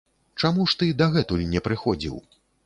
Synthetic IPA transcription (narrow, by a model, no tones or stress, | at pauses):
t͡ʂamuʂt̪ɨd̪aɣɛt̪ulʲnʲɛpɾɨxɔd͡zʲḭw